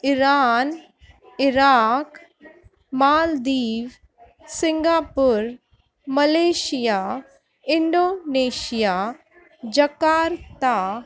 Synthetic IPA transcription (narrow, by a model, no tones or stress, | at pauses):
ɪɾaːn | ɪɾaːk | maːld̪iːʋ | sɪ̃ŋɡaːpʊɾ | mɐleːʃijaː | ɪɳɖoːneːʃijaː | d͡ʒɐkaːɾt̪a